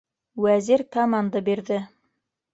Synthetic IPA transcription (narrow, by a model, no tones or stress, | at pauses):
wæziɾkɐmand̪abiɾðɘ